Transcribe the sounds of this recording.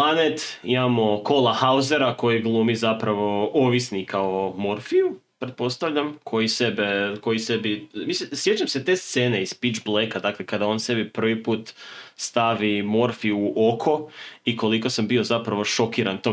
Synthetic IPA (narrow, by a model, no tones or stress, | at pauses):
lanet̪ḭmamo̞ko̞lˠahauze̞ɾako̞jiɡlˠumizapɾaʋo̞oʋisnikaomo̞ɾfiupɾet̪̚po̞st̪aʋʎamkʰo̞jisebeko̞jise̞bimisesjet͡ʃamse̞t̪e̞ːst̪seːne̞izpit͡ʃblˠekad̪aklekad̪ao̞ːnse̞bipr̩ʋipuːt̪st̪aʋimo̞ɾfiuːʔokʰo̞iko̞liko̞sambio̞zapɾaʋo̞ʃo̞kiːɾant̪o